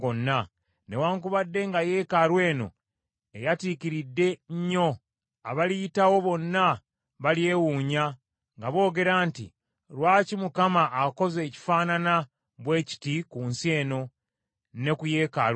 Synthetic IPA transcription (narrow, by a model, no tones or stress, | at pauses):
onːa | ne̞waːŋkuβadːe̞ŋɡaje̞ːkaɾwe̞ːno̞̰ | e̞jatikiɾidːe̞ɲːo̞ | aβalitawo̞βo̞nːa | βalje̞ːwuːɲa | ŋɡaβo̞ːɡe̞ɾaːntḭ | ɾwaːcimukamaʔːko̞ze̞ːci̥faːnana | βwe̞ːci̥tikuːnsie̞ːno̞ | ne̞kuje̞ːkaɾ